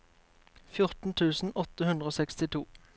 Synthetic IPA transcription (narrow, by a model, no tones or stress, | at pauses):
fjʊʁt̪n̩t̪ʰʉːsn̩ɔt̪əhʉnd̪ʁəoːsɛkst̪ɪt̪ʰuː